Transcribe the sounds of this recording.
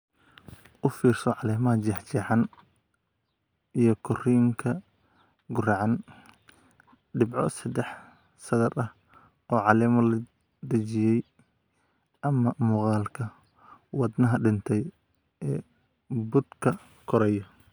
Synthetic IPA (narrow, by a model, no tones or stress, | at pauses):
ʔʊfiːrsɔʕɑlɛːmɐɦɐt͡ʃɛħt͡ʃɛːħɑn | ijɞkʰʊriːŋkʰɐ | ɡʊrɑʕɑn | ɖɪbʕɔsɐd̪ɛħ | sɐðɐɾɐh | ɔːʕɑlɛːmɐlɐ | d̪ɐt͡ʃɪjɛj | ɐmɐmʊqɑːlkʰɐ | wɑd̪nɐɦɐɖɪnt̪ʰɛj | ʔɛː | bʊd̪kʰɐ | kʰɔɾɛjɐ